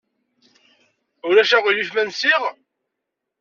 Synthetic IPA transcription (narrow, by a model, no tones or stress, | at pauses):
ʊɾæʃæʁilifmænsiʁ